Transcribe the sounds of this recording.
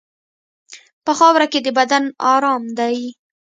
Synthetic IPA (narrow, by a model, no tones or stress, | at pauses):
pəxɑwɾaked̪əbad̪anɑɾɑmd̪aj